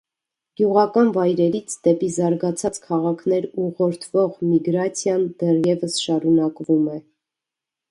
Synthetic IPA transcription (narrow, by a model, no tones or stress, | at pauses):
ɡ̥juʁɑkɑnvɑjɾɛɾit͡sʰd̪ɛpizɑɾɡɑt͡sʰɑt͡skʰɑʁɑkʰn̪ɛɾuʁɔɾt̪ʰv̥ɔʁmiɡɾɑt͡sʰjɑnd̪ɛrjɛvəsʃɑɾunɑkvumɛ